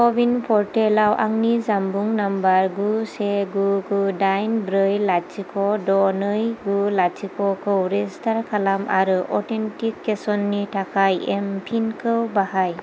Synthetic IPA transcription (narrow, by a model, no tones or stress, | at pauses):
kɔbinpʰɔɹtelawʔa̰ŋnizambuŋnambaɹɡusɛɡuɡudajnbɾɯjlat͡ʃʰikɔdɔnɯjɡulat͡ʃʰikɔkʰɯwɾɛstʰaɹkʰalama̰ɾɯʔɔtentikːesɔnːitʰakʰajɛmpʰinkʰɯwbaɦaj